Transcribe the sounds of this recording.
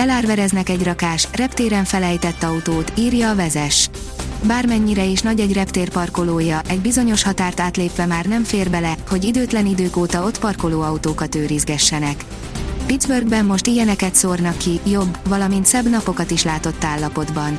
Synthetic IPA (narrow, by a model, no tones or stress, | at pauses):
ɛlaːrvɛɾɛznɛkɛɟrɒkaːʃrɛpt̪eːɾɛɱfɛlɛjt̪ɛt̪ːɒut̪oːt̪iːrjɒːvɛzɛʃ | baːrmɛɲːiɾɛeːʃnɒɟɛɟrɛpt̪eːrpɒrko̞loːjɒʔɛɟbizo̞ɲo̞ʃhɒt̪aːrt̪aːt̪leːpʋɛmaːrnɛmfeːrbɛlɛho̞ɟid̪øːt̪lɛnid̪øːkoːt̪ɒo̞t̪pɒrko̞loːɒut̪oːkɒt̪øːɾizɡɛʃːɛnɛk | pid̪zbørɡbɛmːo̞ʃt̪ijɛnɛkɛt̪sornɒkːijo̞bːvɒlɒmint̪sɛbnɒpo̞kɒt̪iʃlaːt̪o̞t̪ːaːlːɒpo̞d̪bɒn